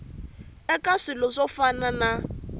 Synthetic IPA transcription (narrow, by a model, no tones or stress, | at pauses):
ɛkʼaʂɪlɔʂɔfanana